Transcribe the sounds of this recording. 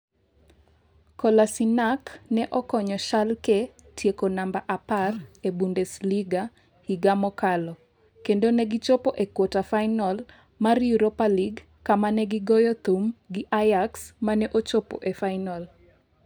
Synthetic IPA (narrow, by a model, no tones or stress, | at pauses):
kɔlasinaknɛʔɔkɔɲɔʃalke | tjekonambaʔaparebundɛsliɡa | hiɡamɔkalɔ | kendonɛɡit͡ʃopoʔekwotafaɪnɔl | marjuɾopaliɡ | kamanɛɡɪɡɔjɔt̪umɡɪʔajaksmanɛʔot͡ʃopo̰ʔefainɔl